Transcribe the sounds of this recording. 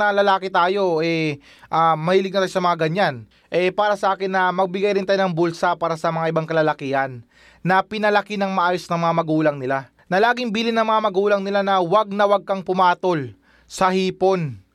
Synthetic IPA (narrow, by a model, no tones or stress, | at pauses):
nɐlɐlaːkɪt̪aːjo̞ʔɛ | ʔamɐhiːlɪɡ̚nɐt̪aːjosɐmɐŋaɡɐɲan | ʔɛpaːɾɐsɐʔaːkɪnːɐmɐɡ̚bɪɡajɾɪnt̪aːjonɐŋbulsɐpaːɾɐsɐmɐŋaʔɪbaŋkɐlɐlɐkihɐnː | ɐpɪnɐlɐkɪnɐŋmɐʔaːjo̞snɐŋmɐŋamɐɡuːlɐŋnɪla | nɐlaːɡɪŋbiːlɪnːɐŋmɐŋamɐɡuːlɐŋnɪlanɐwɐɡ̚nɐwɐɡ̚kɐŋpʊmaːt̪o̞l | sɐhiːpo̞n